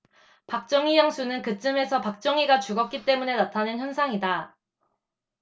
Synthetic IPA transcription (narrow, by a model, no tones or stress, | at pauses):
pak̚t͡ɕ͈ʌŋijʌŋsʰunɯnkɯt͡ɕ͈ɯme̞sʰʌpak̚t͡ɕ͈ʌŋiɡat͡ɕuɡʌp̚k͈it͈e̞mune̞natʰanɯnçjʌnsʰaŋida